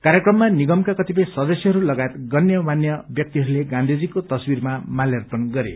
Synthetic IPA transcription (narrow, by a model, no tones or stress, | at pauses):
kaɾjekrʌmːaniɡʌmkakʌt̪ip̬ʌj̃sʌd̪ʌsjʌɦʌɾulʌɡajet̪ɡʌnjʌmanjʌbjʌk̚t̪iɦʌɾuleɡãnd̪ʱid͡zikot̪ʌswiɾmamaljʌrpʌnɡʌɾḛ